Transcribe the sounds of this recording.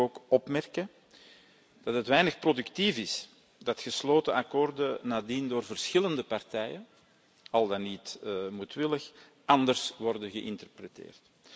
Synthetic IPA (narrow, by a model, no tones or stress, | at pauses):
oːkɔpmɛrkə | d̥ɑtɦətʋɛjnəxprodʉktivɪs | d̥ɑtxəsloːtəɑkoːrdənaːdindoːrvərsxɪləndəpɑrtɛjən | ɑlˠdɑnitmutʋɪləx | ɑndərsʋɔrdənɣəʔɪ̰ntərprətḛːrt